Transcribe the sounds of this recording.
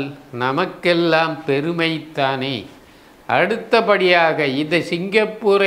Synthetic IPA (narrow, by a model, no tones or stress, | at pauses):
lnɐmɐkːɛlːaːmpɛɾɯmɐɪt̪ːaːneː | ʔɐɽɯt̪ːɐpɐɽɪjaːɣɐɪnðɐsɪŋɡɐpːuːɾɐ